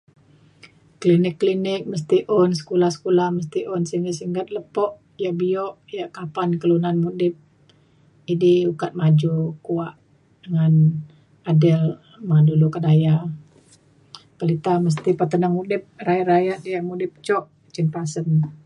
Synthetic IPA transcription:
klinɪkːlinɪk̚məs̬t̪iʔɔnsə̥kulahsə̥kulahməs̬t̪iʔɔnsiŋɡat̪siŋɡət̪̚ləpɔʔ | jaʔbiɔʔjaʔkapankəlunanmudɪp̚ | idiukat̪̚mad͡ʒukuaʔ | dəŋan | adɪl | madulukadaja | pəlit̪aməs̬t̪ipat̪ənaŋudɪp̚rajaʔɾajaʔ̪̚djaʔmudɪp̚t͡ʃɔʔ | t͡ʃinpasən

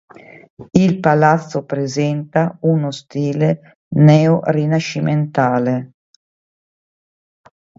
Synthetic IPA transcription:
ilpalat̪sːopɾezɛnt̪aunost̪iːle | nɛːorinaʃiment̪aːle

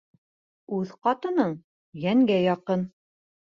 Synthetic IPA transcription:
ʉðqɑt̪ɤ̆nɤɴ | jæŋɡæjɑqɤn

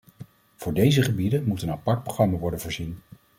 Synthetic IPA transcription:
v̥ʊːɹdejzəχəbidənmutənapɑɹt̚proχrɑmaʋɔɹdənvʊːɹzin

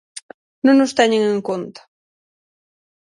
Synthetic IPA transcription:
nõŋnost̪ɛɲeŋẽŋkont̪ḁ

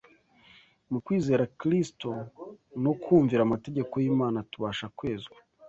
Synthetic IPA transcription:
mukwiːze̞ːɾakɾisto̞no̞kʰuːɱviɾamate̞ɟe̞ko̞jiːmaːnatuβaːʃakwe̞ːzɡwḁ

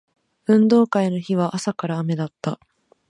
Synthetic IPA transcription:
ɯ̟̃nd̪o̞ːkaino̞çiβ̞aʔasakaɾaːme̞d̪at̪ːa

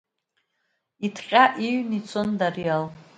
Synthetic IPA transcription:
itʰχʲʼaʔiɥnit͡sʰondarial

